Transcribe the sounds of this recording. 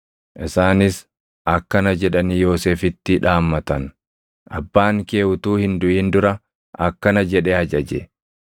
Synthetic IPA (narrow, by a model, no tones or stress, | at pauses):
ʔɪsaːnɪs | ʔɐkːɐnɐd͡ʒɛᶑɐniːjo̞ːseːfɪt̪ːɪᶑaːmːɐt̪ɐn | ʔɐbːaːŋke̞ːhʊt̪uːhɪnd̪ʊʔiːnd̪ʊɾɐ | ɐkːɐnɐd͡ʒɛᶑɛhɐd͡ʒɐd͡ʒɛ̰